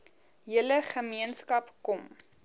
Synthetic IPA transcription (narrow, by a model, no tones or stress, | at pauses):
ɦiələχəmiənskɐpkɔm